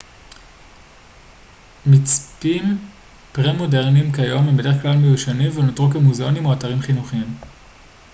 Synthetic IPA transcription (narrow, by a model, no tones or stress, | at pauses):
mit͡spim | pʁemo̞deʁnimkajo̞membede̞eχklalmejuʃanimvenotʁukemuzeo̞nimo̞ataʁimχinuχiim